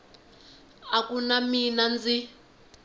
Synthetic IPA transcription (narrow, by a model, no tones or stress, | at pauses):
akunaminand͡zi